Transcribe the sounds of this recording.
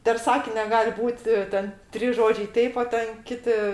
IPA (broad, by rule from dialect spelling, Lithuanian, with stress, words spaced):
pʲɛr ˈsɑːkʲɪnʲɛ ˈɡɐlʲ ˈbuːtʲ ˈtʲɛn tʲrʲiːs ˈʒoːd͡ʒʲɛɪ ˈtʲɛɪp oː ˈtʲɛn ˈkʲɪtʲɪ